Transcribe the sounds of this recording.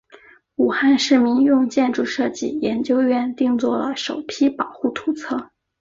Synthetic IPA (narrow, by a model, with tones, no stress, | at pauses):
u˨˩xa˥˧nʂɻ̩˥˩mi˧˥njʊ˥˧ŋt͡ɕjɛ˥˧nʈ͡ʂu˥˧ʂɤ˥˧t͡ɕi˥˩jɛ˧˥nt͡ɕjo˥ʊɥɛ˥˧nt̪i˥˧ŋt͡swɔ˥˩lə˩ʂo˨˩ʊpʰi˥pɑ˨˩ʊxu˥˩t̪ʰu˧˥t͡sʰɤ˥˩